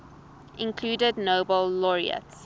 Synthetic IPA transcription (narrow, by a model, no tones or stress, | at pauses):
ʔɪ̃nkʰluːdədnoʊbəlːɔɹḭə̰ts